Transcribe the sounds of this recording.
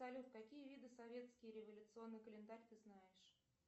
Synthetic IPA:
ɐlʲufkɐkʲijəvʲid̪ɨsɐvʲe̞t̪skʲɪjɾʲɪvəlʲʊt̪sɨo̞nːɨjkəlʲɪnd̪aɾʲt̪ɨznajɪʂ

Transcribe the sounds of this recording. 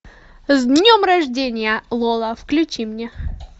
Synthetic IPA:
zʲd̪ʲnʲomrɐʐdʲenʲɪjəlˠolˠəfklʲʉt͡ɕimnʲe

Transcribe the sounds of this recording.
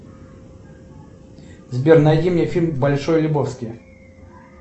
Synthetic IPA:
zʲbʲernɐjdʲimnʲefʲilʲmbɐlʲʂojlʲʊbofskʲij

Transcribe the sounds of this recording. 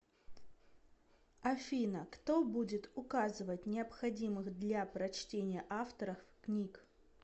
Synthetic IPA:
ɐfʲinəkt̪obudʲɪt̪ʊkazɨvətʲnʲɪəpxɐdʲimɨxd̪lʲapɾɐt͡ɕtʲenʲɪjəʔaft̪əɾəfknʲik

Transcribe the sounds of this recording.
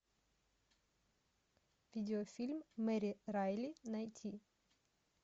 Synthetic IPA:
vʲid̪ʲeofʲilʲmːɛɾʲirajlʲinajt̪ʰʲi

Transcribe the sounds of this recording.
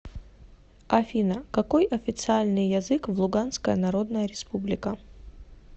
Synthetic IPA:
afʲinɐkɐkojʔɐfʲɪt̪sɨalʲnɨjːɐzɨkvlˠʊɡanskəjənɐɾod̪nəjəɾʲɪspublʲɪkə

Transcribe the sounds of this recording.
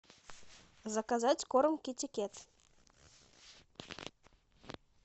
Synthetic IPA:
zɑkazɑtʲkoɾɤ̆mkʲetʲikʲet̪

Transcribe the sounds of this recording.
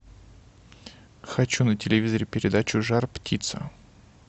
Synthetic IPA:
xɐt͡ɕunətʲɪlʲɪvʲizəɾʲɪpʲɪɾʲɪd̪at͡ɕʊʐarptʲʰit̪sə̰

